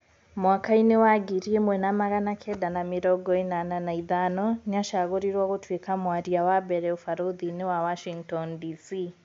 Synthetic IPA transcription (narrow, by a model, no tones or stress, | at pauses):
mwakainiwaɡiɾiɛmwɛnamaɣanakʰɛdanamiɾɔɡɔinananaiðanɔniaʃaɣuɾiɾwaɣutʰwikamwaɾiawabɛɾɛufaɾuðiniwawaʃiŋtɔndisi